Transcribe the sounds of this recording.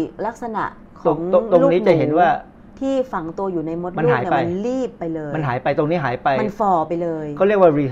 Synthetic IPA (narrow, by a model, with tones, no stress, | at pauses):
la˦˥k̚sa˧na̰˨˩ʔ | kʰt̪o˧ŋ˩˦ŋo˧t̪o˧lu˥ŋ˥niː˦˥t͡ɕa˨˩ɦe˩˦nwaː˥˩ | t̪ʰiː˥˩fa˨˩ŋt̪u˧ɐjuː˨˩na˧jmo˦˥t̪̚ma˧n˥nɦaː˨˩˦ja˧jnliː˥˩pːa˧jlɤː˧ma˧nɦaː˩˦jpa˧jt̪o˧ŋniː˦˥ɦaː˩˦jpa˧jma˧nkfɔː˧˩pa˧jlɤː˧jkɔː˥˩ɾi˥˩k̚waː˥˩ɾiː˧